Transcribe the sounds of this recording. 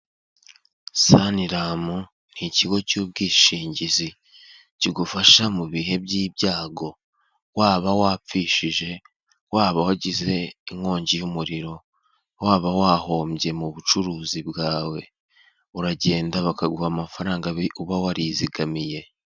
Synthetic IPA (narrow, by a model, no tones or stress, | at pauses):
saniɾaːmu | n̥hiciɡo̞cuːb̚ɡiːʃiːɲɟizi | ciɡufaʃamuβiɦe̞bɟiːbjaːɡo̞ | waːβawapp͡fiːʃiʒe̞ | waːβawaɟize̞iŋo̞ːɲɟijumuɾiɾo̞ | waːβawaːho̞ːmɟe̞muβut͡ʃuɾuːzibɡaːwe̞ | uɾaɟe̞ːndaβakaɡuhamafaɾaːŋɡauβawaɾiziɡamije̞